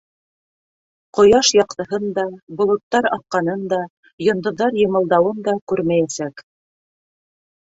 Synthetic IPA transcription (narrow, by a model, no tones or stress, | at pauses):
qŏjɑʃjɑqt̪ɤ̆ɦɤnd̪ɑbŏlˠŏt̪ːɑɾɑθqɑnɤnd̪ɑ | jŏnd̪ŏðːɑɾjɤ̆mɤ̆lˠd̪ɑwɤnd̪ɑkʉɾmæjæsæk